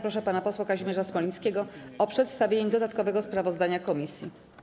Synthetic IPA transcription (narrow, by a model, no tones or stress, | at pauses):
pɾɔʂɛpanapɔswakaʑimʲjɛʐasmɔlʲĩskʲɛɡɔɔpʂɛt̪st̪avʲjeɲɛd̪ɔd̪at̪kɔvɛɡɔspɾavɔzd̪aɲakɔmʲisʲjḭ